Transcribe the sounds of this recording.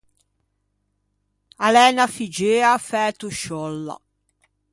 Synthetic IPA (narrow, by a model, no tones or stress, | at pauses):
alɛːnafid͡ʒeːafɛːt̪uʃɔlːa̰